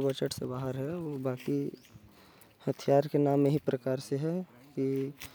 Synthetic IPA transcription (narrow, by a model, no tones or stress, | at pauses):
bət͡ʃəʈsebaːɦəɾɦɛobaːki | hət̪ʰijaːɾkenaːmːeɦipɾʔəkaːɾseɦɛ | ki